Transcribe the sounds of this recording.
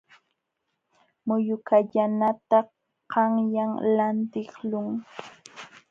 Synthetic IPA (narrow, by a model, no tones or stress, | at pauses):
mʊjʊkaʎanat̪ɑ | qɑŋjaŋlant̪ɪχlʊŋ